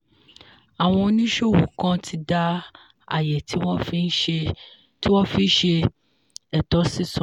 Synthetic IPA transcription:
a˨w̃ɔ̃˧˦nĩ˦ʃo˦wu˨kɔ̃˦tʰi˧da˦ | a̰˨jɛ˨tʰi˦wɔ˦fi˦n̩˦ʃe˧ | ti˦wɔ˦fi˦ʃe˧ | ɛ˨t̪ɔ˦si˦sɔ̃˨

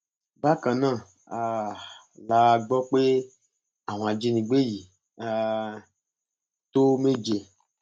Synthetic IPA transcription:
ba˦kã˨nã˦˨ | a˨ | la˧˨ɡ͡bɔ˦k͡pe˦ | a˨w̃a˨d͡ʒe˧˦nĩ˨ɡ͡be˦ji˨ | a˨ | t̪o˦me˦d͡ʒe˨

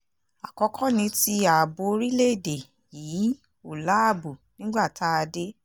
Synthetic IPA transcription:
a˨kɔ˧kʰɔ˦nĩ˧˦ti˧a˨bo˧˦ɾi˦le˦˨de˨ | jiː˨˦ | u˨la˦a˦˨bu˨nĩ˦ɡ͡ba˦˨ta˦a˧de˦

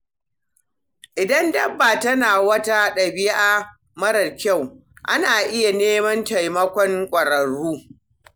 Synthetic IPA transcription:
ʔɪ˨dɐ˦ndɐ˦bːaː˨tɐ˦naː˨wɐ˦ta˦ɗɐ˨bɪ˦jʔaː˦ | mɐ˦ɽɐ˨rkʲa˦˨wʔa̰˦naː˨ʔɪ˦ja˨neː˦mɐ˦nta˨jmɐ˦kʷɔ˦ŋkʷʼɐ˨ɽɐ˨ɽuː˦

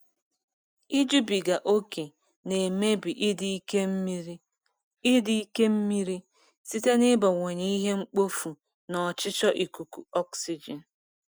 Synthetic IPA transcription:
i˦d͡ʒu˦bi˨ɡa˨ʔo˦ke˨ | ne˨me˦bi˨ʔi˦di˦i˦ke˦m̩˦mi˦ɾ | ɪ˦di˦i˦ke˦m̩˦mi˦ɾi˦ | si˦te˦nɪ˦bɔ˨ŋʷɔ˨ɲe˦i˦ɦe˦ŋ͡m̩˦k͡po˦fu˨ | nɔ˨t͡ʃɪ˦t͡ʃɔ˦ʔi˨ku˨ku˨ɔ˦ksi˦d͡ʒe˨n̩˨

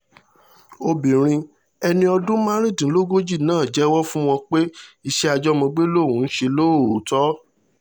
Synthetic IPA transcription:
o˧bĩ˨ɾ̃ĩ˧ | ɛ˧nĩ˧ɔ˧dũ˦mã˦ɾ̃ĩ˦˨dĩ˨˦lo˦ɡo˦d͡ʒi˦˨nãː˦˨d͡ʒɛ˦wɔ˦fũ˦w̃ɔ̃˧k͡pe˦i˧ʃe˦a˧d͡ʒɔ˦mɔ̃˧ɡ͡be˦lo˦˨ũ˨˦n̩˦ʃe˧lo˦o˨tɔ˦

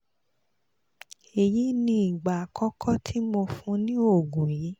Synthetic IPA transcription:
e˨ji˨˦nĩ˧i˨ɡ͡ba˨kɔ˦kʰɔ˦tʰi˦mo˧fũ˧˦nĩ˦o˦˨ɡũ˨ji˨˦

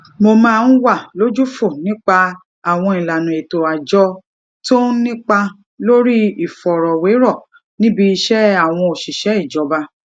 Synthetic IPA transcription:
mo˧mãː˦˧n̩˦wa˦˨lo˦d͡ʒu˦fo˦˨nĩ˦k͡pa˧ | a˦˨w̃ɔ̃˧ĩ˨la˨nũ˨e˨to˨a˨d͡ʒɔ˧ | to˦nĩ˦k͡pa˧ | lo˦ɾi˦i˦˨fɔ˨ɾɔ˨we˨˦ɾɔ˦˨ | nĩ˦bi˧˦i˧ʃɛ˦a˦˨w̃ɔ̃˧o˨ʃi˨ʃɛ˨˦i˦˨d͡ʒɔ˨˦ba˧˦

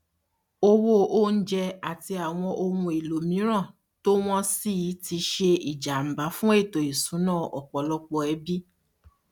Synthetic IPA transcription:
o˧wo˦ʔo˦n̩˦d͡ʒɛ˧a˨ti˧a˨w̃ɔ̃˧ʔo˧mũ˧e˨lo˨mĩ˨˦ɾ̃ã˦˨ | to˦w̃ɔ̃˦si˦˨ji˨˦ti˧ʃe˧i˨d͡ʒa˨m̩˨ba˨˦fũ˦e˦˨to˨i˨sũ˨˦nãː˦˨ʔɔ˨k͡pɔ˨˦lɔ˦k͡pɔ˧ɛ˧˦bi˦

